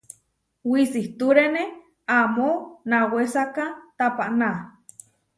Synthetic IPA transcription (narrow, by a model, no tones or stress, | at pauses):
wisiht̪uɾene | amonawesakat̪apaʔna